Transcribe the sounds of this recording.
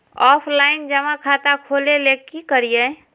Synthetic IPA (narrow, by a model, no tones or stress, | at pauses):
ɔpʰlaind͡ʒəmãkʰat̪akʰolelekːikəɾijə